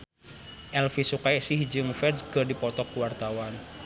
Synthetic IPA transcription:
ʔɛlfisukajsiɦid͡ʒɨŋfɛdsɡərdipɔt̪ɔkuwart̪awan

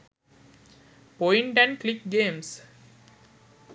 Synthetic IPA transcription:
poɪ̃ɳʈæ̃ɳɖklik̚ɡẽːms

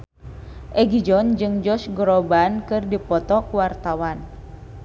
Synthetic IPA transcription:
ʔɛɡid͡ʒɔnd͡ʒɨŋd͡ʒɔsɡɔɾɔbankɨrdipɔt̪ɔkuwart̪awan

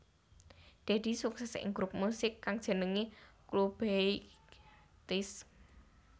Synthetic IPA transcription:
d̪̥e̤d̪̥i̤suksɛsɪ̰ŋɡɾup̚musɪkːaŋd̥ʒ̥ə̤nəŋiklub̥e | t̪ɪs

